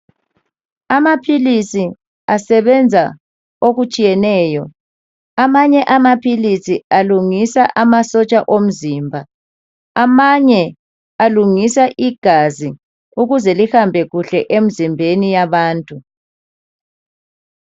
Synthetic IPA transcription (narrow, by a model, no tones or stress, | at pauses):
amapʰilisi | asɛβɛnd͡zʱa | oɣut͡ʃʼijɛnɛːjɔ | amaɲɛʔamapʰilisialuŋisaʔamasɔt͡ʃʼaʔom̩ziːmbʱaː | maɲɛ | aluŋisaʔiɡ̥ʱazi | uɣuzɛlihambʱɛɣuɬɛʔem̩zimbʱenijaβaːntʼu